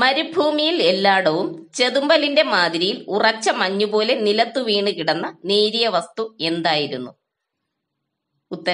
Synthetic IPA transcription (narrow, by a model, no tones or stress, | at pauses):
mɐɾubʱuːmijile̞lːaːɽɐʋumt͡ɕe̞ðumbɐlinde̞maːd̪iɾijilurɐt͡ɕːɐmɐɲːubo̞ːle̞nilɐt̪ːuʋiːɳɨkiɽɐnːɐneːɾijɐʋɐst̪ue̞nd̪aːjiɾunːu | ut̪ːɐ